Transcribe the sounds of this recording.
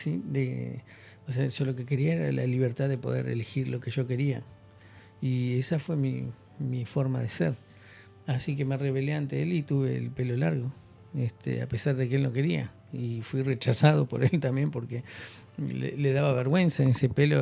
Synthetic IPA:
sid̪e | os̬eaʒ̥olo̞keke̞ɾiaeɾa̰la̰liβ̞eɾt̪aðepo̞ðe̞̰ɾḛlexiɾlo̞keʒo̞ke̞ɾia | iesafwe̞mḭ | mifo̞ɾma̰ðeseɾ | asikemareβeleant̪eelit̪uβe̞̰ːlpe̞lo̞laɾɣo̞ | est̪ʰḛa̰pesaɾðek̬eelno̞ke̞ɾia̰ | ifwiret͡ʃasað̞o̞po̞ɾelt̪ambje̞mpo̞ɾke | lḛleðaβaβeɾɣwe̞nsaenesepelo̰

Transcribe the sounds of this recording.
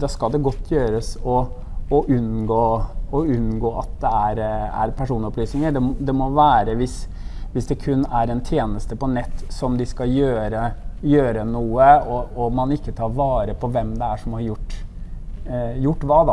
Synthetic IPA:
d̪ɑskɑld̪ɛɡɔt̪ʰːjøːɾəsɔː | ʔʉnɡoːɔʉnɡoːʔɑt̪̚d̪ɛæɾæ̰ɾpʰæʂuːnəɔplyːsnɪŋəɖɛmd̪ɛmɔʋæːɾəʋɪs | ʋɪsd̪ɛkʰʉnːæɾɛnt̪ʰjeːnəst̪əpɔnɛt̪ːsɔmd̪ɪskɑjøːɾəjøːɾənuːəɔɔmɑnɪkːət̪ʰɑːɾʋɑːɾəpʰɔʋɛmd̪ɛæʂɔmhɑɾjʊʈː | jʊʈːʋɑːd̪ɑ

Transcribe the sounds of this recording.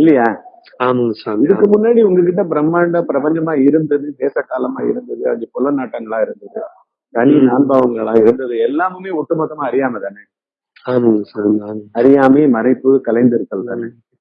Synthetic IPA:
ɪlːɐjaː | aːmɐŋɐsaɪðɯkːɯmʊnːaːɽiʊŋɡɐk̬ːɪʈ̬ːɐp̬ɪɾɐmːaːɳɖɐpɪɾɐpɐɲd͡ʒɐmaːɪɾɯnd̪ɐðɯd̪eːsɐkaːlɐmaːɪ̰ɾɯnd̪ɐðɯɐ̰nd̪ɯpʊlːɐnaːʈːɐŋɡɐɭaːɪɾɯnd̪ɐðɯ | k̪ɐninaːnbaːʋɐŋɡɐɭaːɪɾɯnd̪ɐðɯɛlːaːmɯmeːɔʈːɯmɐt̪ːɐmaːɐɾɪjaːmɐt̪aːnɛ | aːmɐŋɡɐsaaːmɐŋɐɾɪjaːmeːmɐɾɐɪpːɯkɐlɐɪnd̪ɪɾɯkːɐɭt̪aːnɛ

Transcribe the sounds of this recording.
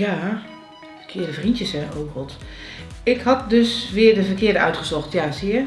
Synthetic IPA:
ja | fəkʰɪədəfrintjəsɛoːrɔlˠt | ɪkhɑt̚døsʋɪədəvərkɪədəœ̰ɥtχəsɔxtjasiə

